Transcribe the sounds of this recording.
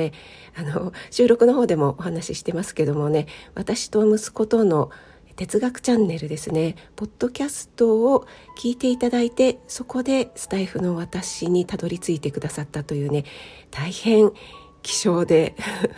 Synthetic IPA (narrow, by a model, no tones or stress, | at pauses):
e | anoɕɨːɾo̞kɯ̟no̞ɦo̞ːd̪e̞mo̞ʔːhanaɕiɕi̥t̪e̞masɨ̥ke̞d̪o̞mo̞ne̞βat̪aɕi̥t̪o̞mɯ̟sɨ̥ko̞t̪o̞no̞ | t̪e̞t͡sɨɡakɯ̟̥t͡ɕãnːe̞ɾɯ̟d̪e̞sɨne̞po̞d̪̥ːo̞kʲasɨ̥t̪o̞ːkʲiːt̪e̞it̪ad̪ait̪e̞so̞ko̞d̪e̞sɨ̥t̪aiɸɯ̟no̞β̞at̪aɕiɲ̟it̪ad̪o̞ɾʲit͡sɨit̪e̞kɯ̟d̪asat̪ːat̪o̞jɯ̟ːne̞ | t̪aihẽ̞ŋ | kʲi̥ɕo̞ːd̪e̞